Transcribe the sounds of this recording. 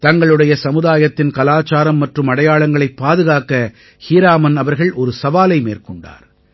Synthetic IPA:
t̪ɐŋɡɐɭɯɽɐjɐsɐmɯðaːjɐt̪ːɪnkɐlaːt͡ʃːaːɾɐmːɐʈrɯmɐɽɐjaːɭɐŋɡɐɭɐɪpːaːðɯɣaːkɐ | hiːɾaːmɐnɐʋɐɾɣɐɭʔɔɾɯsɐʋaːlɐɪmḛːɾkɔɳɖa̰ːɾ

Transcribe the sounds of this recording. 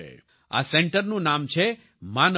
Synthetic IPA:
ḛ | a̰seɳʈəɾnũnamt͡ʃʰe | man

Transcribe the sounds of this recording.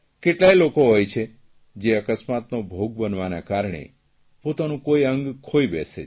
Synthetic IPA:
keʈlajlokoɦojt͡ʃʰe | d͡ʒeəkəsmat̪nobʱoɡ̚bənʋanakaɾɳ̃ḛ | pot̪anũkoiəŋɡkʰoibɛse

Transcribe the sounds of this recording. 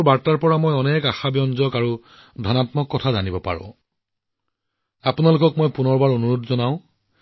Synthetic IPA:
baɹtaɹpɔɹamojɔnekaxabjɔnzɔkaɹu | dʱɔnatmɔkːɔtʰazanibɔpa̰ɹɔ̰̃ | apunalʊkɔkmojpunɔɹbaɹonuɹodzɔnaʊ̃

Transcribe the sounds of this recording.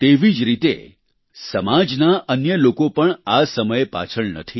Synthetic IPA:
t̪eʋid͡ʒɾit̪ḛ | səmad͡ʒnaʔənjəlokopəɳasəməjepa̰t͡ʃʰəɭnə̰t̪ʰi

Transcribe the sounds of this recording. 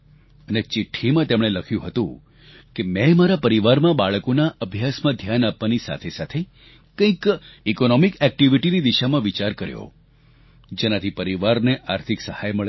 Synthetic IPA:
ənet͡ʃɪʈʰːimãt̪emɽ̃eləkʰjũɦət̪ũ | kemɛ̃maɾapəɾiʋaɾmãbaɭkonaʔəbʱjasmãd̪ʱjanapʋanisa̰t̪ʰesat̪ʰe | kə̃ĩkikonɔmikɛk̚ʈiʋiʈinid̪iʃamãʋit͡ʃaɾkəɾjo̰ | d͡ʒenat̪ʰipəɾiʋaɾneʔaɾt̪ʰiksəhajməɭe

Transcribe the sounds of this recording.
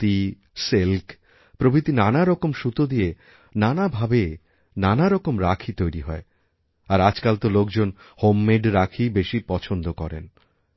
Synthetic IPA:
t̪i | selk | pɾobʱit̪inanaɾɔkomʃut̪od̪ije | nanabʱabe | nanaɾɔkomɾakʰit̪ojɾiɦɔe | aɾad͡ʑkalt̪olokd͡ʑon | homːeɖɾakʰibeʃipɔt͡ɕʰond̪okɔɾḛn

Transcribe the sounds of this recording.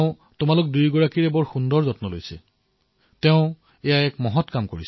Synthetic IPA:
ʊ̃ | tʊmalʊk̚dujɡɔɹakiɹɛbɔɹxundɔɹzɔtnɔlojsɛ̰ | tɛʊ̃ | ejaɛkmɔɦɔtkamkoɹis

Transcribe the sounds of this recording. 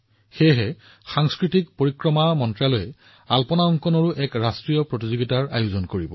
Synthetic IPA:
xejɦɛ | xaŋskɹitikpoɹikɹɔmamɔntɹalojɛ | alpɔnaɔŋkɔnɔɹuʔɛkɹastɹijɔpɹotizoɡitaɹa̰juzɔnkoɹibɔ

